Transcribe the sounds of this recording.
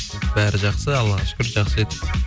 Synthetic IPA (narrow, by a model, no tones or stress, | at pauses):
bæɾɪʒɑχsəɑlˠːɑʃkʲʏɾʒɑχsəet̪ɪ̥